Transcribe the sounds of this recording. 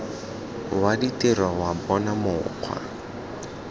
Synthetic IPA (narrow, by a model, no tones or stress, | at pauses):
waditʼerwawabɔnamʊq͡χʰwa̰